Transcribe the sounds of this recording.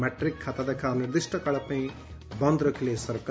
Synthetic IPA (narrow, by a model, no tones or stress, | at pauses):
maʈrikʰːat̪ad̪ekʰaniɾd̪isʈʌkaɭapaĩ | bʌnd̪ɾʌkʰilesʌɾk